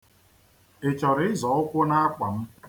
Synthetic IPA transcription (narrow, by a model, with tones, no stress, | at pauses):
ɪ˨t͡ʃɔ˨ɾɪ˦ɪ˦zɔ˨˦ʊ˦kʷo˦na˦a˦k͡pa˨m̩˦